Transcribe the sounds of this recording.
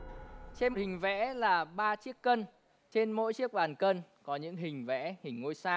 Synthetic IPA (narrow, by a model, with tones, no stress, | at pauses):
t͡ɕe˧nhï˨˩ŋ̟vɛ̰˧˥laː˨˩ɓaː˧t͡ɕi˦˥əkːə˧n | t͡ɕe˧nmo̰˧˥jt͡ɕi˦˥ək̚ɓaː˨˩nkə˧nkɔ˨˦ɲɨ̰˧˥ŋɦï˨˩ŋ̟vɛ̰˧˥hï˨˩ŋ̟ːo˧jsaː˧